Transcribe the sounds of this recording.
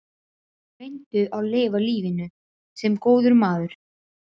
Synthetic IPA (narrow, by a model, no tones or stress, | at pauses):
vejnt̪ʏʔawleːvaliːvɪnʏ | sɛmkoːwðʏɾmaːðʏɾ̥